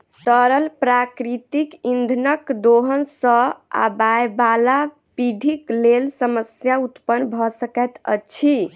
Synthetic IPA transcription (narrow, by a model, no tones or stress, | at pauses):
t̪əɾəlpɾakɾit̪ikind̪ʱnəkd̪oɦənsə̃a̰bajbala | piɖʱiklelsəməsjaut̪pənːbʱɔsəkɛt̪ə̰t͡ʃʰi